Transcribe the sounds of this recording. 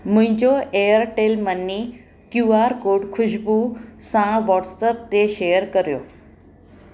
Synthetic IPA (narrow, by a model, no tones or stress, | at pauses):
mʊ̃ɦɪ̃ɲd͡ʑoeːjəɾʈeːlmənːi | kjuːaːɾkoːɖkʰʊʃbusãʋɔːʈsəp̚t̪eʃeːjəɾkɐɾjo̰ː